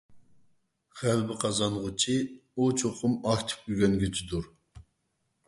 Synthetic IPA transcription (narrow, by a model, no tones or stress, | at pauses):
χælbɪqʰɑzɑnʁʊt͡ʃʰiut͡ʃʰoqʰʊmɑkt̪ʰɪ̥p̚kʲyɡʲɛnɡʲyt͡ʃʰid̪uɾ